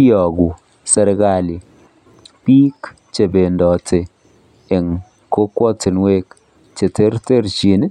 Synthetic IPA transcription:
jɔ˨ɡu˨ | sɛ˨ɾɡa˦˨li˨ | pi˦k | t͡ʃe˨be˨ndɔ˨tʰe˨ | e˨ŋ | ko˦kwɔ˦te˨nwe˦k | t͡ʃe˨te˦ɾte˦ɾt͡ʃi˨n˦

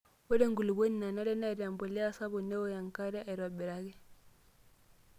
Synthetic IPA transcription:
wɛ˦ɾe˦ŋɡu˨lu˨bo˦ni˨a˨na˦ɾɛ˦na˦˨ɾa˨mbɔ˨li˦a˦sa˦bɔ˨nɛ˦wɔ˦ja˨ŋka˦ɾɛ˦a˨i˨ɾwa˨bɛ˨ɾa˦ɡɛ˦

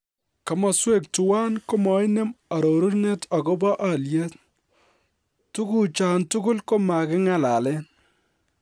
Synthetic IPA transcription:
kɐ˨mɔ˨swe˦˨k̚tu˨wa˦nko˦mɔ˨˦ɪ˦ne˦ma˨ɾo˨ɾu˦ɾne˦ta˨ko˦bɔ˦ʔa˦lje˦t | tu˦ku˦˨t͡ʃa˨ntu˦ɡʊ˦lko˦ma˨kɪ˦ŋa˨la˨lɛ˦n

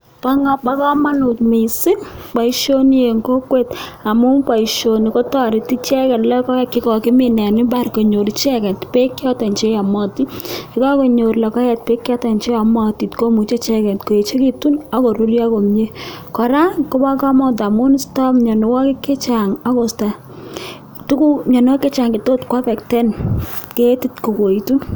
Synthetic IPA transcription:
pa˦ŋ˦pa˦kɔ˦ma˦nʊ˨tme˨sɪ˦pa˨i˨ʃo˦n˦je˨ŋko˦kwe˦˨ta˨mu˦pa˨i˨ʃo˨ni˨ko˦tɔ˦ɾi˨ti˦t͡ʃɛ˦kɛ˨tlɛ˦kɔ˦ɛ˦kɪ˦kɔ˨kɪ˦mɪ˨nɛ˨nɪ˦ba˦˨ɾko˨ɲo˨ɾi˦t͡ʃɛ˦kɛ˨tpe˦kjɔ˦ta˨nt͡ʃe˦ja˨mɔ˦ti˦kɪ˦kɔ˦ko˨ɲo˨ɾlɛ˨kɔ˦jɛ˨t̚pe˦kjɔ˦ta˨nt͡ʃe˦a˨mɔ˦ti˨tko˦mu˨t͡ʃe˦t͡ʃɛ˦kɛ˨tko˨e˨t͡ʃe˦ki˦tu˦na˦ko˨ɾo˦rja˦ko˨mɲe˦kɔ˨ɾa˦ko˦ba˦ka˦mɔ˦ta˨mu˦n˦stɔ˦mɲɔ˨no˨wɔ˦kɪ˦ke˦t͡ʃa˨ŋa˦ko˨sta˨ | tu˦ku˦ɲɔ˨n˦ɔ˦ke˦t͡ʃa˨ŋki˨to˦tkwa˦pɛ˨ktɛ˦nke˦ti˦tko˨ko˨i˨tu˦

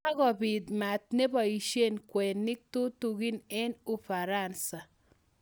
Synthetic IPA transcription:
a˦ɡɔ˨bi˨d̪ma˨t̪̚ne˦ba˨i˨ʃe˦nkwɛ˨nːɪ˦k̚tu˦tu˨ɡi˦ne˦nu˦fa˨ɾa˦˨nsa˨

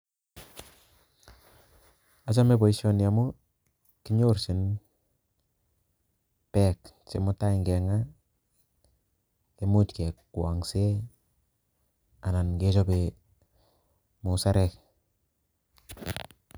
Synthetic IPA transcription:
a˨t͡ʃa˦me˦bo˨i˦so˦nja˨mu˦ | ki˦ɲo˦ɾsi˨n | pe˦k | t͡ʃḛ˨mu˦ta˦i˨ŋɡe˨ŋa˦ | e˦mu˦tke˨kkwa˨ŋse˦ | a˨na˨nɡe˦t͡ʃo˦be˨ | mu˨sa˦ɾe˨k

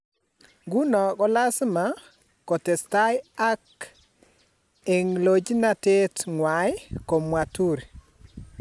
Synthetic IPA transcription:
ɡu˦nɔ˨kɔ˦la˦sma˨ | kɔ˨tɛ˨sta˦ja˦k | e˨ŋlo˨d͡ʒi˦na˦te˦tŋwa˨jko˨mwa˨tu˦˨ɾ

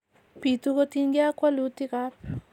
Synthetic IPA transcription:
pi˨t̪u˦ko˦t̪i˦nɡi˦a˦kwa˦lu˨˦t̪i˦ka˦ɾ

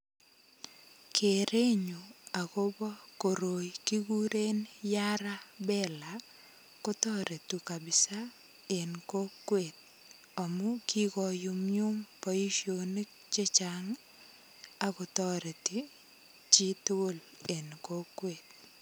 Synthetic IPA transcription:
kʰe˨ɾe˦ɲo˨a˨ko˦bɔ˦ko˨ɾo˨jki˦ɡu˦ɾe˦njaɾa˦bɛ˦la | ko˦t̪ɔ˦ɾe˨t̪u˨ka˨bɪ˨sa˦ | e˨nko˦kːwe˨t̪̚ | a˨mʊ˦ki˦ɡɔ˨jʊ˨mju˦mpɔ˨i˦ʃjo˨ni˦k̚ | t͡ʃe˦t͡ʃa˨ŋ | a˦kɔ˨t̪ɔ˦ɾe˨ti˨ | t͡ʃi˦t̪o˦l | e˨nko˦kːwe˨t̪̚

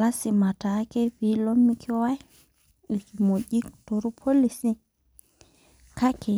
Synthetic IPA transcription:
la˦sɪ˨ma˨ta˨˦ke˦ɸi˨˦lɔ˦mi˦kʰi˦wa˦ | i˨ki˨mo˨ɟi˦kto˨ɾu˦pʰo˦li˨si˦ | ka˦ke˨

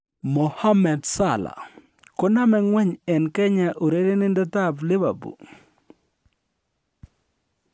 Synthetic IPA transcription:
mo˨ha˦mɛ˨dsa˦˨la̰˨ | kɔ˦na˦mɛ˦ŋwɛ˦ɲɛ˨nkɛ˦ɲa˨ʔo˨ɾe˦ɾe˦nɪ˦ndɛ˦ta˦blɪ˦ba̰˨bṵ˨

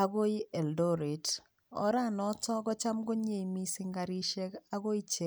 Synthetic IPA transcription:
a˦ɡo˦i˦ʔɛ˨ldɔ˦ɾe˨t | ɔ̰˦ɾa˦˨nɔ˦tɔ˦ɡɔ˦t͡ʃa˦mɡo˦ɲe˨i˨mi˦sɪ˦ŋɡa˨ɾi˦ʃe˦ka˦ɡo˦i˦t͡ʃe˦

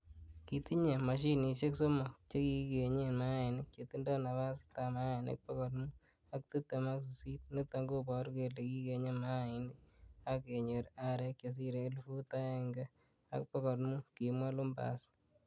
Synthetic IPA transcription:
ki˨t̪i˦ɲe˨ma˨ʃ̬i˦ni˨ʃe˦kso˦mɔ˨t͡ʃe˦ki˦ke˨ɲe˦ma˦ɪ˨nɪ˦t͡ʃe˨t̪i˦ndɔ˦na˨βa˦s̬ta˨ma˦ɪ˨nɪ̰˦k̚pɔ˦kɔ˨tmu˦ | a˦k̚t̪i˦t̪e˨ma˦ks̬i˨si˦t̪̚ni˦t̪a˨˦ŋɡo˦pɔ˨ɾke˨le˨ki˦ke˨ɲe˦ma˦˨ɪ˨nɪ˦a˦ke˨ɲo˨ɾa˦ɾe˦kje˨s̬i˦ɾe˨lu˦fu˦ta˦e˦ŋɡɛ˦ | a̰˦kpɔ˦kɔ˨tmu˦ki˨mwa˦lʊ˦mba̰˨s

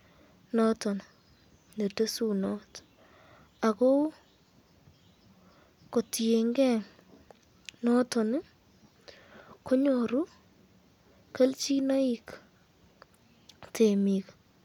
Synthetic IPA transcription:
nɔ˦tɔ˨n | ne˨tə˦su˦nɔ˦t | a˨kɔ˦ | ko˨ti˨e˨ŋɡɛ˦˨ | nɔ˦tɔ˨n˦ | ko˦ɲo˨ɾu˦ | kə˦lt͡ʃi˦na˦i˨k | tʰe˨mi˨k

